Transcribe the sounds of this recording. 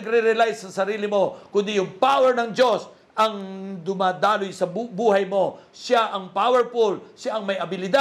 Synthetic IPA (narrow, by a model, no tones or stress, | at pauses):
ɐɡɾɛɾɛlajsːɐsɐɾiːlɪmo̞kʊnd̪ijʊŋpawɛɹnɐŋd͡ʒo̞s | ʔɐŋd̪ʊmaːd̪aːlojsɐbbuːɦɐjmo̞ʃaʔɐŋpawɛɹpulʃaʔɐŋmɐjɐbɪlɪd̪a